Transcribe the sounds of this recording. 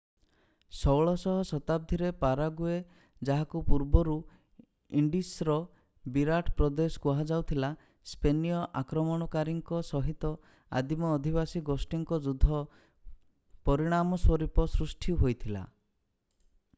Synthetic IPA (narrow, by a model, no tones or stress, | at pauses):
sɔwɭɔsɔɦɔsɔt̪ab̚d̪ʱiɾepaɾaɡue | d͡ʒaɦakupuɾbɔɾu | iɳɖisɾɔ | biɾaʈʰpɾɔd̪eskuɦad͡ʒawt̪ʰila | spenijɔʔakɾɔmɔɽ̃ɔkaɾiŋkɔsɔɦit̪ɔ | a̰d̪imɔːd̪ʱibasiɡosʈiŋkɔd͡ʒud̪ʱːɔ | pɔɾiɽ̃amɔswɔɾipɔsɾusʈʰiɦojt̪ʰila̰